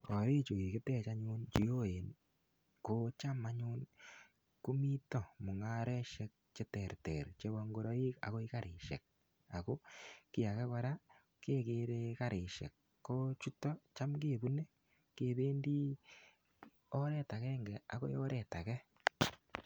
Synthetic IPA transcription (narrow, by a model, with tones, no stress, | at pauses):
ko˨ɾeː˦t͡ʃo˨ki˨ke˦te˦t͡ʃa˦ɲu˦nt͡ʃi˨jo˦e˨n | ko˦t͡ʃa˦ma˦ɲuː˦n | ku˦mi˦to˦mo˨ŋa˦ɾɛ˦ʃe˦k̚t͡ʃe˦tɛ˨ɾte˨ɾt͡ʃe˦βɔ˦ŋɡo˦ɾo˦i˦ka̰˨ɣo˦i˦kaɾʔeː˨ʃḛ˨k̚ | a˨ko˦kɪ˦ja˨kɛ˦ka˦ɾa˦ | keː˦keː˦ɾe˦ka˦ɾʔe˨ʃḛ˨kː | o˦t͡ʃu˦to˦t͡ʃa˦mkeː˦˨βu˦ne˦ | keː˨βeː˦ndi˦ | o˦ɾɛ˦ta˨ɣɛ˦ŋɡɛ˨a̰˨ko̰˦jo˦ɾɛ˨ta˨kɛ˦